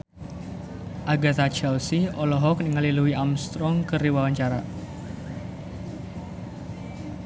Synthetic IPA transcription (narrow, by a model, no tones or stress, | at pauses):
ʔaɡat̪at͡ʃɛlsiɔlɔɦɔk̚niŋaliluwiamst̪ɾɔŋkɨriwawaɲt͡ʃaɾa